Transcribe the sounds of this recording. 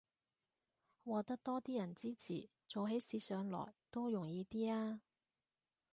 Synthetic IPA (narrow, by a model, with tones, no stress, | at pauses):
wɔː˨˧t̪ɐ˥k̚t̪ɔː˥t̪iː˥jɐ˨˩nt͡siː˥t͡sʰḭː˨˩ | t͡so˨˧wɦe˨˥jsiː˨˧˥sœː˨˧ŋlɔ̰ː˨˩jt̪o˥wjʊ˨˩ŋjiː˨˧t̪iː˥aː˥